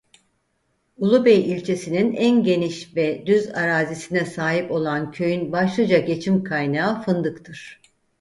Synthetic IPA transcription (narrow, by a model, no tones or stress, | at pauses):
ulˠubejilʲt͡ʃʰe̞sininænɟe̞niʃvɛd̪yzaɾaːzisinɛsaːɦipo̞lˠancʰø̞jynbaʃlˠɯd͡ʒaɟe̞t͡ʃʰimkʰajnaːfɯnd̪ɯkt̪ʰɯɾ̥